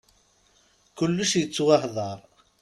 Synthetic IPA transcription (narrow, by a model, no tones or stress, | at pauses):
kʊlːʊʃjət͡sːwɑhðˤɑɾˤ